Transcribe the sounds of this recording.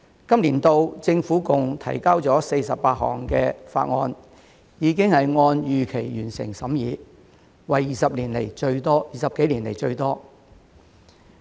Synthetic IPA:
kɐ˥mliː˨˩nt̪o˧wt͡sɪ˧ŋfuː˨˥kʊ˨ŋt̪ʰɐ̰˨˩jkaː˥wt͡sɔː˨˥se˧jsɐ˨p̚paː˧t̚ɦɔ̰ː˨˩ŋkɛː˧fa̰ː˧t̚ŋɔː˧n | jiː˨˧˥kɪ˥ŋhɐ˨jŋɔː˧njyː˨kʰe˨˩jjyː˨˩nsɪ̰˨˩ŋsɐ˨˥mjiː˨˧ | wɐ˨jiː˨sɐ˨p̚liː˨˩nlḛ˨˩jt͡ʃɵ˧ɥt̪ɔː˥jiː˨sɐ˨p̚ke˨˥jliː˨˩nlḛ˨˩jt͡ʃɵ˧ɥt̪ɔː˥

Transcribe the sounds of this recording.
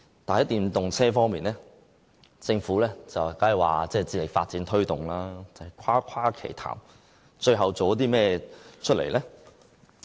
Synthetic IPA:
t̪aː˨˩nht̪iː˨mt̪ʊ˨ŋt͡sʰɛː˥fɔː˥ŋmiː˨nlɛː˥ | t͡sɪ˧ŋfuː˨˥lɛː˥t͡sɐ˨wkaː˨˥jwa̰ː˨t͡sɛː˥˩t͡siː˧˩lɪ˨k̚fa̰ː˧t̚t͡siː˨˥nt̪ʰɵ˥ɥt̪ʊ˨˩ŋlaː˥t͡sɐ˨hɛ˨˩jkʷʰaː˥kʰaː˥kʰḛ˨˩jt̪ʰa̰ː˨˩m | t͡ʃɵ˧ɥɦɐ˨wt͡so˨wɔ˧˥t̪̬iː˥mɛː˥t͡ʃʰɵ˥t̚lḛ˨˩jlɛː˥

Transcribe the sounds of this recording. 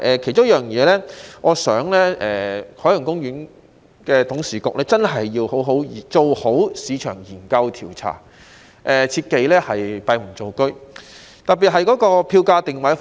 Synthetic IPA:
ʔɛ˨˧kʰt͡sʊ˥ŋ˥jœː˨ŋjɛː˨˧lɛː˥ŋɔː˨˧sœː˨˥ŋlɛː˥ʔɛː˨hʰɔː˨˥jʊ˨˩ŋkʊ˥ŋjyː˨˥n | kɛː˧t̪ʊ˨˥ŋsiː˨˩kʊ˨k̚lɛː˥t͡sɐ˥nɦɐ˨jːiː˧who˨˥wɦo˨˥wiː˨˩t͡so˨who˨˥wsiː˨˧t͡ʃʰœ̰ː˨˩ŋjiː˨˩nkɐ˧wt̪ʰiː˨˩wt͡sʰa̰ː˨˩ | ʔɛː˨t͡sʰiː˧t̚ke˧jlɛː˥hɐ˨jpɐ˧jm̩˨˩t͡so˨wkɵ˥ɥ | t̪ɐ˨p̚pːiː˨t̚ɦɐ˨jkɔː˨˥kɔː˧pʰiː˧wkaː˧t̪ɪ˨ŋwɐ˨˥f

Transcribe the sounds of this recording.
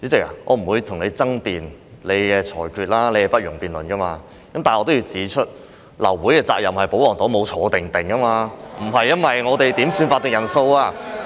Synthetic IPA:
y˨˥t͡sɪ˨˩ka̰˨˩ŋʔɔː˨˧m̩˨˩wuː˨˧jt̪ʰʊ˨˩ŋle˨˧jt͡sɐ˥ŋpiː˨˩n | le˨˧jkɛː˧t͡sʰɔː˨˩jkʰyː˧t̚laː˥le˨˧jkɛ˧pɐ˥t̚jʊ˨˩ŋpiː˨nlɵ˨˩nkɐ˥maː˧ | kɐ˨˥mt̪aː˨nʔɔː˧t̪o˥wji˧wt͡siː˨˥t͡ʃʰɵ˥t̚ | lɐ̰˨˩wwuː˨˥jkɛː˧t͡sa̰ː˧k̚jɐ˨mhɐ˨˩jpo˨˥wlɔː˨˩ŋt̪ːwmo˨˧wt͡ʃʰɔː˨˧t̪ɪ˨ŋt̪ɪ˨ŋkɐ˥maː˧m̩˨˩ɐ˨jːɐ˥nwɐ˨jŋɔː˨˧t̪e˨jt̪iː˨˥msy˧nfaː˧t̪ɪ˨ŋjɐ˨˩nso˧waː˧

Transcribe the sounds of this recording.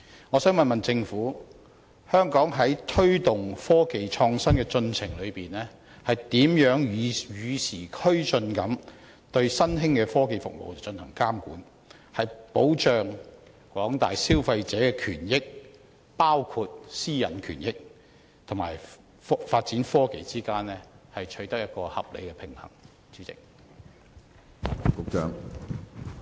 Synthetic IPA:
ŋɔː˨˧sœː˨˥ŋmɐ˨nmɐ˨nt͡sɪ˧ŋfuː˨˥ | hœː˥ŋkɔː˨˥ŋɦɐ˨˥jt̪ʰɵ˥ɥt̪ʊ˨˩ŋfɔː˥ke˧jt͡ʃʰɔː˧ŋsɐ˥nkɛ˧t͡sɵ˧nt͡sʰɪ˨˩ŋlɵ˨˧ɥpiː˨˩nɛː˥ | hɐ˨jt̪iː˨˥mjœː˨˥ŋ˨jyː˨˧sʰiː˨˩kʰɵ˥ɥt͡sɵ˧nkɐ˨˥m | t̪ɵ˧ɥsɐ˥nɦɪ˥ŋkɛː˧fɔː˥ke˧jfʊ̰˨k̚mo̰˨wt͡sɐ˨˩wt͡ʃɵ˧nhɐ˨˩ŋkaː˥mkuː˨˥n | hɐ˨jpo˨˥wt͡ʃœː˨˧ŋ | kʷɔː˨˥ŋt̪a̰ː˨jsiː˥wfɐ˧jt͡sɛː˨˥kɛː˧kʰyː˨˩njɪ˥k̚ | paː˥wkʰu˧t̚siː˥jɐ˨nkʰy̰ː˨˩njɪ˥k̚ | t̪ʰʊ˨˩ma̰ː˨˩j | faː˧t̚t͡siː˨˥nfɔː˥ke˨˩jt͡siː˥kaː˥nlɛː˥hɐ˨jt͡ʃʰɵ˨˥ɥt̪ɐ˥k̚jɐ˥t̚kɔː˧hɐ̰˨p̚lḛ˨˧jkɛ˧pʰɪ˨˩ŋhɐ̰˨˩ŋ | t͡syː˨˥t͡sɪ̰˨k̚ | kʊ˨˧˥k̚t͡ʃœː˧˥ŋ

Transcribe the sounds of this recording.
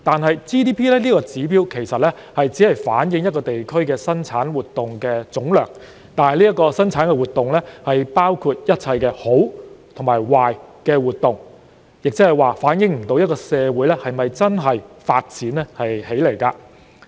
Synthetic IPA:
t̪aː˨nɦɐ˨jt͡ʃiː˥t̪iː˥pʰiː˥lɛː˥liː˥kɔː˧t͡siː˨˥piː˥wkʰe˨˩jsɐ˨t̚lɛ˥hɐ˨jt͡si˨˥hɐ˨jfa̰ː˨˥njɪ˨˧ŋjɐ˥tkɔː˧t̪e˨jkʰɵ˥ɥkɛː˧sɐ˥nt͡sʰaː˨˥nwuː˨t̚t̪ːʊ˨ŋkɛː˧t͡sʊ˨˥ŋlœː˨˩ŋ | t̪aː˨nhɐ˨˩liː˥jɐ˥kːɔː˧sɐ˥nt͡sʰaː˨˥nkɛ˧wuː˨˩t̪̚ʊ˨ŋlɛ˥hɐ˨jpaː˥wkʰu˧t̚jɐ˥t̚t͡sʰɐ˧jkɛː˧ho˨˥wt̪ʰʊ˨˩ŋmaː˨˩jwaː˨jkɛː˧wuː˨˩t̚t̪ʊ˨ŋ | jɪ˨k̚t͡sɪ˥hɐ˨jwaː˨faː˨˥njɪ˨˧ŋm̩˨˩t̪o˨˥wjɐ˥tkɔː˧sɛː˧wuː˨˥jlɛ˥hɐ˨jmɐ˨jt͡sɐ˥nɦɐ˨jfa̰ː˧t̚t͡sʰiː˨˥nlɛ˥hɐ˨jhe˨˥jle˨˩jkaː˧

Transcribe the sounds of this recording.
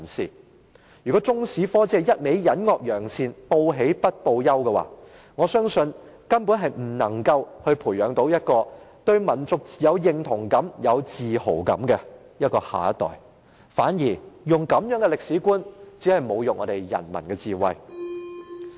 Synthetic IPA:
siː˨ | jyː˨˩kɔː˨˦˥t͡sʊ˥ŋsiː˨˥fɔː˥t͡sɛː˧jɐ˥t̚me˨˥jjɐ˨˥nŋɔː˨˧k̚jœː˨˩ŋsʰiː˧npo˧wɦe˨˥jpɐ˥t̚po˧wjɐ˥wkɛ˧wa̰ː˨ | ŋɔː˨˧sœː˥ŋsɵ˧n | kɐ˥npu˨˥nɦɐ˨jm̩˨˩nɐ˨˩ŋkɐ˧whɵ˧ɥpʰuː˨˩jœː˨˥ŋt̪o˨˥wjɐ˥t̚kɔː˧t̪ɵ˧ɥmɐ˨˩nt͡sʊ˨k̚jɐ˨˧wjɪ˨˧ŋt̪ʰʊ˨˩ŋkɐ˨˥mjɐ˨˧wt͡siː˨ho˨˩wkɐ̰˨˥mkɛ˧ | jɐ˥t̚kɔː˧ha̰ː˨ɐ˦˥t̪ɔ̰ː˨˩j | faː˨˥njiː˨˩jʊ˨˩ŋkɐ˨˥mjœː˨˥ŋɡɛ˧lɪ˨k̚siː˨˥kuː˥nt͡siː˨˥hɐ˨jmo˨˧wjʊ˨k̚ŋʔɔ̰ː˧t̪e˨jjɐ̰˨˩nmɐ˨˩nkɛː˧t͡siː˨wɐ̰˨j

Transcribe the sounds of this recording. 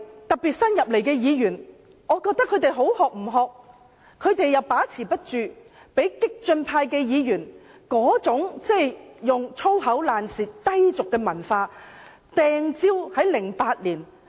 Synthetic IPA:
t̪ɐ˨k̚piː˨t̚sɐ˥njɐ˨p̚le˨˩jkɛː˧jiː˨˧jyː˨˩n | ŋɔː˨˧kɔː˧k̚t̪ɐ˥kʰːɵ˨˧ɥt̪e˨jɦo˨˥whɔː˨k̚m̩˨˩ɦɔː˨˧k̚ | kʰːɵ˨˧ɥt̪e˨jːɐ˨wpaː˨˥t͡sʰiː˨˩pɐ˥t̚t͡ʃyː˨ | pe˨˥jkɪ˥k̚t͡sɵ˧npʰaː˧jkɛː˧jiː˨˧jyː˨˩n | kɔː˨˥t͡sʊ˨˥ŋt͡sɛ˥˩jjʊ˨ŋt͡sʰo˥wɦɐ˨˥wlaː˨nsiː˨˩tt̪ɐ˥jt͡sʊ˨kːɛː˧mɐ˨˩nfaː˧ | t̪ɛː˧ŋt͡siː˥whɐ˨˥jlɪ˨˩ŋpaː˧t̚liː˨˩n

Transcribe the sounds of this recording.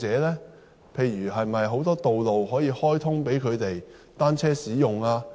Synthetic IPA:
t͡sɛː˨˥lɛː˥ | pʰe˨˧jɥyː˨˩ɦɐ˨jmɐ˨jɦo˨˥wt̪ɔː˥t̪o˨wlo˨wɦɔː˨˥jiː˧hɔː˥jt̪ʰʊ˥ŋpe˨˥jkʰɵ˨˧ɥt̪e˨j | t̪aː˥nt͡sʰɛː˥siː˨˥jʊ˨ŋaː˧

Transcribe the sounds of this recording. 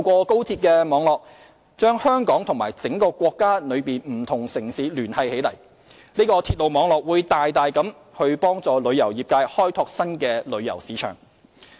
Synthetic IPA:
wkʷɔː˧ko˥wt̪ʰiː˧t̚kɛː˧mɔː˨˧ŋlɔː˨k̚ | t͡ʃœː˥ŋhœː˥ŋkɔː˨˥ŋt̪ʰʊ˨˩ŋmaː˨˩jt͡sɪ˨˥ŋkɔː˧kʷɔː˧kːaː˥nɵ˨˧ɥpiː˨˩nm̩˨˩t̪ʰʊ˨˩ŋsɪ˨˩ŋsiː˨˥lyː˨˩nhɐ˨jhe˨˥jlɐ˨˩j | niː˥kɔː˧t̪ʰiː˧t̚lo˨wmɔː˨˧ŋlɔː˨k̚wuː˨˧jt̪aː˨jt̪aː˨jkɐ˨˥m | hɵ˧ɥpɔː˥ŋt͡sɔː˨˧lɵ˨˧ɥjɐ˨˩wjiː˨p̚kaː˧jhɔː˥jt̪ʰɔː˧k̚sɐ˥nkɛː˧lɵ˨˧ɥjɐ̰˨˩wsiː˨˥t͡ʃʰœ̰ː˨˩ŋ

